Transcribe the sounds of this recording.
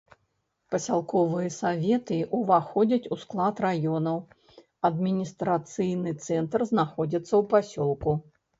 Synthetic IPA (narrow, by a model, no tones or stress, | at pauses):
pɐsʲalˠkɔvɨjɐsavʲɛt̪ɨʔuvaxɔd͡zʲɐt͡sʲusklˠat̪rajɔnɐw | ɐd̪mʲinʲist̪ɾat̪sɨjnɨt̪sɛnt̪rznaxɔd͡zʲit̪sːɐwpasʲɔlˠku